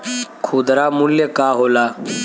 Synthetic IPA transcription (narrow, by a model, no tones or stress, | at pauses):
kʰuːd̪ɾaːmuljekaːɦoːlaː